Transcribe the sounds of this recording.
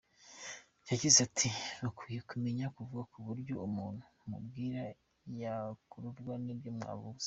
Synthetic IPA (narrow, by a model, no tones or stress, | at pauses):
jaɟizatʰiβakwijekume̞ɲakuvuɡakuβuɾɟo̞̰umuːnhumṵbɡiːɾa | jakuɾuvɡwanebjoːmŋa̰βuz̥e̥